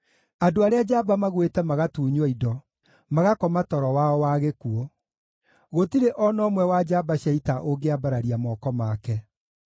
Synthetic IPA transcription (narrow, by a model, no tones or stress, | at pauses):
adoaɾead͡ʒabamaɣwetɛmaɣatuːɲwɔidɔ | maɣakɔmatɔɾɔwaɔwaɣekuɔ | ɣotiɾeʔɔnɔːmwɛwad͡ʒabaɕaitaʔoɡeabaɾaɾiamɔːkɔmakɛ